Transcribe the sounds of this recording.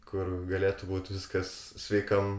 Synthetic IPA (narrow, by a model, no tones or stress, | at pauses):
kʊrɡɐlʲeːt̪ʊbuːt̪ʲʋʲɪskɐssʲʋʲɛɪkɐm